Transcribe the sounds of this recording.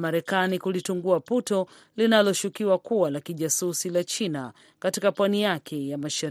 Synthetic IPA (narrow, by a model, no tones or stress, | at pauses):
maɾɛkanikulituŋɡuaputɔ | linalɔʃukiwakuwalakiʄasusilat͡ʃina | katikapwanijakʰɛjamaʃaɾ